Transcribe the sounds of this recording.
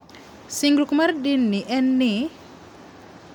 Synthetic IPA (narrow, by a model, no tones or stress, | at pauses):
siŋɡɾukumardinːiʔɛnːi